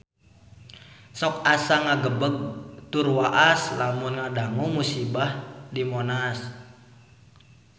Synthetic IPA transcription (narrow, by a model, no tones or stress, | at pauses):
sɔk̚asaŋaɡəbəɡ̚t̪urwaʔaslamunŋadaŋɔmusibahdimɔnas